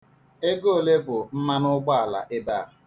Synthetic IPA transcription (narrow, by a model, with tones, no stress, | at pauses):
e˦ɡo˦o˨le˦bʊ˨n̩˦ma˦nʊ˦ɡ͡ba˦a˨la̰˨ʔe˦baː˦˨a˨